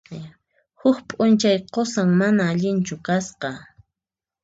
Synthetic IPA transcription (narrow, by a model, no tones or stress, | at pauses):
hʊxpʼʊnt͡ʃajqosaŋmanaːʎɪnt͡ʃʊkasqɑ